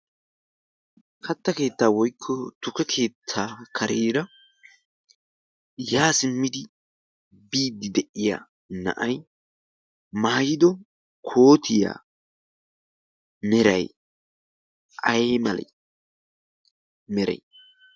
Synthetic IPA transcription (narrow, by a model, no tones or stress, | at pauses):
kʰɐt̪ːɐke̞ːt̪ːaːwɔjkʰːɔt̪ʊkɛkʰe̞ːt̪ʰːaːkʰɐɾeːɾɐ | jaːsɪmːɪd̪ɪ | biːd̪ːɪd̪ɛʔɪja̰ː | nɐ̰ʔɐj | mɐhɐjɪd̪ɔ | kʰo̞ːt̪ʰɪja̰ː | mɛɾɐj | ʔɐjmɐlɐ̰ | mɛɾɛ̰j